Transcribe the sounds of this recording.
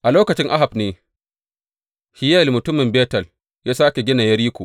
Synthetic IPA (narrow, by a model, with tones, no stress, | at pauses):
ʔa˨loː˦kɐ˨t͡ʃɪ˦ŋʔa˦ɦa˨bneː˨ | hɪ˦jɛ˦˨lmʊ˨tʊ˦mɪ˨mbeː˦tɐ˨l | jaː˦saː˦kʲe˨ɡʲɪ˦na˨jɐ˦ɾiː˦kʷoː˨ʔ